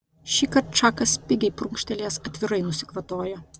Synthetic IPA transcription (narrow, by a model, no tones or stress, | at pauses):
ʃʲiːkɐɾt̪t͡ʃɑːkɐspʲɪɡʲɛɪpɾʊŋʲkʃʲt̪ʲɛlʲeːsɐt̪ʲʋʲɪɾɐɪnʊsʲɪ̥kʋɐt̪oːjo